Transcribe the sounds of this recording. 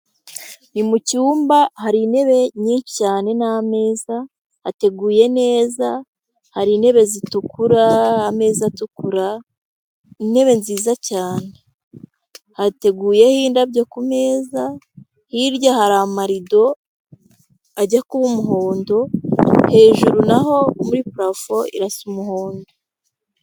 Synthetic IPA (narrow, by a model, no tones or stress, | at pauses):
nimucuːmbahaɾine̞βe̞ɲicaːne̞name̞ːza | hate̞ɡuːje̞ne̞ːza | haɾine̞βe̞zitukuɾaːme̞ːzatukuɾa | ine̞βe̞nziːzacaːne̞ | hate̞ɡuːje̞hiːndabɟokume̞ːza | hiɾɟahaɾamaɾido̞ | aɟakuβumuɦo̞ːndo̞he̞ːʒuɾunaɦo̞muɾipuɾafo̞ḭɾasumuho̞ːndo